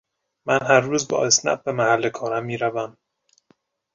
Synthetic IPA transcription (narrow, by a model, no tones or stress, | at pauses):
mænɦæɾːuːzbɒ̰ːesnæ̰t̪̚bemæhælːekʰɒːɾæmːiːɾævæm